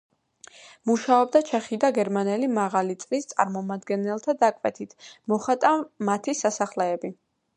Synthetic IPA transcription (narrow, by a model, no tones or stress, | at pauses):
muʃaɔb̚d̪at͡ʃʰɛχid̪aɡɛɾmanɛlimaʁalit̪sʼlist̪sʼa̰ɾmɔmad̪ɡɛnɛlˠt̪ʰad̪akʼwɛ̰t̪ʰit̪ʰmɔχat̪ʼamat̪ʰisasaχlɛːbi